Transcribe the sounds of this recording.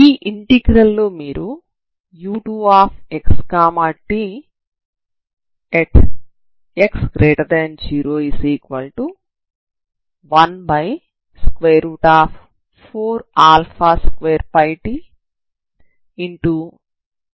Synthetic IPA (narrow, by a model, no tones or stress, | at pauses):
iːʔiɳʈiɡɾɐlːoːmiːɾu | juːʈuːaːpʰekskaːmaːʈi | ɛʈ | eksɡɾeːʈɐɾd̪ɛnd͡ʒiːɾoːisiːkʋɐlʈu | ʋɐnbɐj | skʋeːɾuːʈaːpʰ | pʰoːɾaːlpʰaːskʋeːɾpɐjʈi | iɳʈu